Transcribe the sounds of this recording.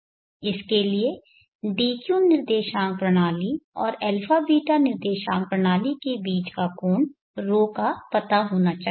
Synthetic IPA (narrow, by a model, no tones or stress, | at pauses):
ɪskelie | biːkjuːnɪɾd̪eːʃãːŋɡ̚pɾəɽ̃aːliɔːɾɛlfʰaːbiːʈanɪɾd̪eːʃãːŋɡ̚pɾəɽ̃aːlikebiːt͡ʃkakoːɳ | ɾoːkapɐt̪aɦoːnat͡ʃaː